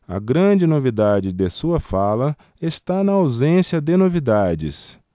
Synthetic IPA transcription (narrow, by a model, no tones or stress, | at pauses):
ɐ̰ɡɾɐ̃d͡ʒɪnovid̪ad͡ʒɪd̪esuɐfalɐ | est̪anɐawzẽsjɐd̪enovid̪ad͡ʒɪ̰s